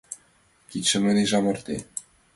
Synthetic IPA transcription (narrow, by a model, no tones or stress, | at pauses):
kit̪ʲʃɘ̆mlʲɘ̆leʒɑmɤ̆rt̪e